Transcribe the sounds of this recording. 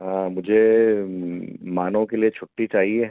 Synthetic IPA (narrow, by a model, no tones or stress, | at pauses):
ɦãːmʊd͡ʒʱe | maːnõkeliet͡ʃʰʊʈːit͡ʃaːɦie